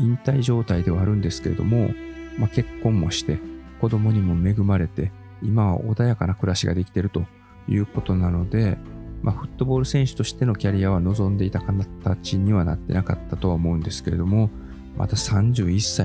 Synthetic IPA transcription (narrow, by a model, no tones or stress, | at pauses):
ĩnt̪aiʑo̞ːt̪aid̪e̞βaːɾɯ̟̃nd̪e̞sɨ̥ke̞ɾe̞d̪o̞̰mo̞̰make̞kːõ̞mːo̞ɕi̥t̪e̞ko̞d̪o̞mo̞ɲ̟imo̞me̞ɡɯ̟maɾe̞t̪e̞ | imaβa̰ʔo̞d̪ajakanakɯ̟ɾaɕiɡa̰d̪e̞kʲi̥t̪e̞ɾɯ̟t̪o̞ | jɯ̟ːko̞t̪o̞nano̞d̪e̞mʔaɸɯ̟t̪ːo̞bo̞ːɾɯ̟sẽ̞ɰ̃ɕɨ̥t̪o̞ɕi̥t̪e̞no̞kʲaɾʲijaβ̞ano̞zõ̞nd̪e̞it̪akanat̪at͡ɕiɲ̟iβana̰t̪ːe̞naka̰t̪ːat̪o̞βaomo̞ɯ̟̃nd̪e̞sɨ̥ke̞ɾe̞d̪o̞mo̞ | mʔa̰t̪asãɲ̟d͡ʑɨːisːa